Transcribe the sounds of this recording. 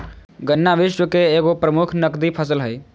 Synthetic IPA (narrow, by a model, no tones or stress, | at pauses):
ɡənːaʋɪʃwəkeeːɡopɾəmʊkʰnəkd̪ipʰəsəlɦəi